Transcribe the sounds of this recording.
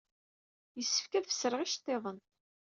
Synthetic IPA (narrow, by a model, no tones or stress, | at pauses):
jəsːə̥fkæðfə̥sːɾəʁiʃt̪ˤːeðˤən